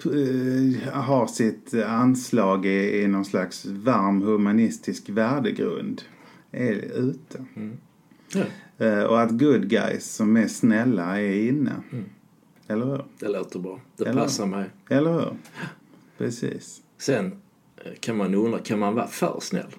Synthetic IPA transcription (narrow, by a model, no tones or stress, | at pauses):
ɦaɾsɪt̪anslɑːɡɪɪnɔnslaksvaɾmhɵmanɪst̪ɪskvæːɖəɡɾɵ̰nd̪ | ɛɾʉ̟ːt̪ʰə | ɔ̰at̪ɡɵd̪ɡa̰jsːɔmːɛsnɛlːaɛɾɪnːə̰ | ɛlːəɾhʉ̟ːɾd̪ɛloːt̪əbɾɑːd̪̥ɛlasːamɛjɛlːəɾhʉ̟̰ːɾ | pʰɾɛsḭːs | sɛn | kʰanmanuɵnd̪akʰanmanvɑ̰ːfœ̰ːɾsnɛ̰lː